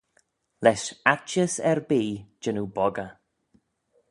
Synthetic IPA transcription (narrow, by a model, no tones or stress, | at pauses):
lɛʃat͡ʃəsɛɹbiːd͡ʒɪnubɔɡə